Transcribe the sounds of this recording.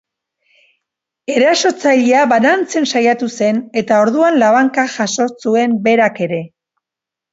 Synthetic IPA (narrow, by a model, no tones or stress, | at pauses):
e̞ɾaso̞t͡saʎiaβanant͡se̞nsajat̪use̞ne̞t̪ao̞ɾðuanlaβaŋkaʝaso̞sue̞mbe̞ɾake̞ɾe̞